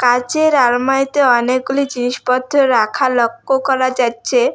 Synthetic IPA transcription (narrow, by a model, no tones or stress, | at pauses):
kat͡ɕeɾaɾmaet̪eɔnek̚ɡulid͡ʑiniʃpɔd̪ʱːoɾakʰalɔkːokɔɾad͡ʑatːɕʰe